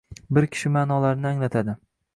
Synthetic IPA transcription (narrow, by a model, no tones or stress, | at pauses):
bɪɾkʲʰɪ̥ʃɪmanɒlaɾnɪaŋlat̪ʰad̪ɪ